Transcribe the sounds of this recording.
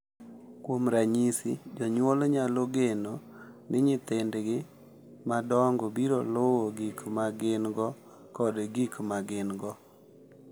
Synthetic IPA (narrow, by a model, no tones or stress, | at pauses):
kwomɾaɲisid͡ʒɔɲwolɲaloɡenonɪɲɪt̪ɪndɡɪ | madɔŋɡɔbiɾolowoɡikmaɡɪnɡɔ | kɔdɡikmaɡɪnɡɔ